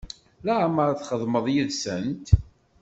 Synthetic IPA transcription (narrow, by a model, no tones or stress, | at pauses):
laʕməɾaθχəðˤməðˤjiðsənt̪